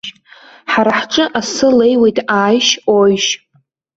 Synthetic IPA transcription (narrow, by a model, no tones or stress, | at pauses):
ħaɾaħʈ͡ʂʼɨʔasɨle̞jwe̞jtʼʰaːjʃojʃ